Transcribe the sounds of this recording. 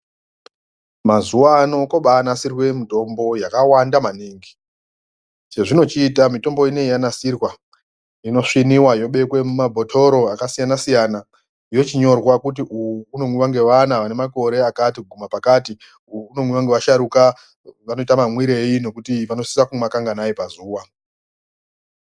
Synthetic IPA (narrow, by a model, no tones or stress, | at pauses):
mazuwaːno̞koɓaːnasirwe̞mito̞mbo̞jakawandamaneːŋɡi | t͡ʃe̞ʐino̞t͡ʃiːtamito̞mbo̞ine̞ijanasirwa | ino̞ʂiniwajo̞ɓe̞kwe̞mumabʱo̞tʰo̞ɾo̞akasijanasijana | ijo̞t͡ʃiɲo̞rwakut̬iʔuuːno̞mwiʋaŋɡe̞ʋanaʋane̞mako̞ɾe̞akatikɡʱumapakati | uuːno̞mwiʋaŋɡe̞ʋaʃaɾuka | ʋano̞itamamwiɾe̞ino̞kutiʋano̞sisakumakaŋɡanaipazuːwa